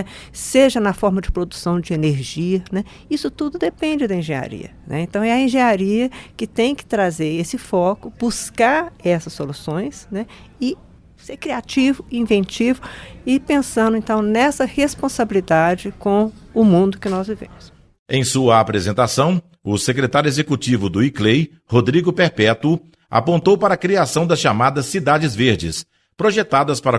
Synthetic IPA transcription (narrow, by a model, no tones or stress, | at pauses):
ɛseʒɐnɐfɔɾmɐd͡ʒɪpɾod̪usɐ̃w̃d͡ʒɪeneɾʒiɐnɛ | isʊt̪ud̪ʊd̪epẽnd͡ʒɪd̪ɐĩʒẽa̰ɾḭɐ̰nʔɛ̰ẽt̪ɐ̃w̃ɛɐẽʒẽɲaɾiɐkɪt̪ẽj̃kɪ̥t̪ɾazeɾesɪfɔkʊb̥uskaɾɛsɐsːolusõj̃snɛɪ | seɾkɾiat͡ʃivʊĩvẽnt͡ʃivʊɪpẽsɐ̃nd̪ʊẽnt̪ɐ̃w̃nɛsɐhespõsabilid̪ad͡ʒɪkõʊmũnd̪ʊkɪnɔzvivḛ̃mʊs | ẽj̃suɐːpɾezẽnt̪asɐ̃w̃ | ʊsekɾet̪aɾjuezekut͡ʃivʊd̪ʊiklej | hod̪ɾiɡʊpeɾpɛt̪ʊ | a̰põnt̪owpaɾɐkɾiasɐ̃w̃d̪ɐsʃamad̪ɐsːid̪ad͡ʒɪzveɾd͡ʒɪ̰s | pɾoʒet̪ad̪ɐspaɾɐ